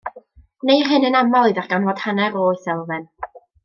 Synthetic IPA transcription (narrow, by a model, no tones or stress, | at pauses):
nejɦɨnənamɔlˠiðarɡ̥anvɔd̥hanɛɾoːɨθɛlˠvɨn